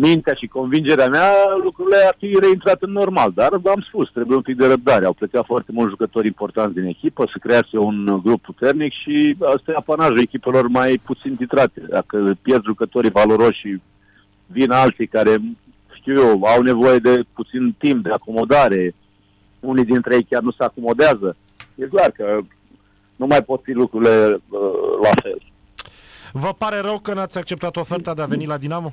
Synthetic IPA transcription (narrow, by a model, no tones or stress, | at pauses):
mint̪eaʃiko̞nvind͡ʒe̞ɾeamealukɾuile̞arfiɾe̞int̪ɾat̪ɨnːo̞rmald̪aramspust̪ɾebujeumpik̚d̪e̞ɾəp̚d̪aɾeawplekat̪foart̪e̞mult̪ʒukət̪o̞ɾʲimpo̞rt̪ant̪d̪ine̞kʲipəsəkɾeaseunɡɾupːut̪e̞rnikʃiəst̪ajapanaʒue̞kʲipe̞lo̞rmajput̪sint̪it̪ɾat̪e̞d̪a̰kəpjerd̪ʒukət̪o̞ɾijvalo̞ɾo̞ʃi | vinalt̪sijkaɾe̞ | ʃt̪iwjewawne̞vo̞je̞d̪e̞put̪sint̪imp̚d̪eako̞mo̞d̪aɾe̞ | unijd̪int̪ɾejejkʲarnuseako̞mo̞d̪eazə | jeklarkə | numajpo̞t̪filukɾuɾile̞əlafel | vəpaɾe̞ɾəwkənat̪sʲak̚t͡ʃe̞p̚t̪at̪o̞fert̪ad̪eave̞nilad̪inamo